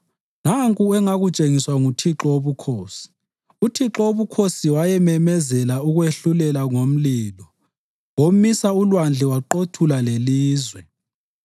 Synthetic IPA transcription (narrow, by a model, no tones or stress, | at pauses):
naŋkʼuɛŋaɣut͡ʃʼeŋiswaŋutʰiǁɔoβukʰoːsi̥ | utʰiǁɔoβukʰosiwajɛmɛmɛzɛlauɣweɬulɛlaŋom̩liːlɔ | omisaulwand͡ɮʱɛwaǃotʰulaleliːzwɛ